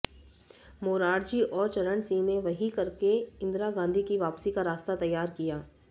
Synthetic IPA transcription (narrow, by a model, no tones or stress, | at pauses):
moːɾaːɽd͡ʒiːʔɔːɾt͡ʃɐɾəɳsineʋɐɦikɐɾkeɪ̃nd̪ɾaɡãːnd̪ʱikiʋaːpsikaɾaːst̪at̪ɐjːaːɾkijaː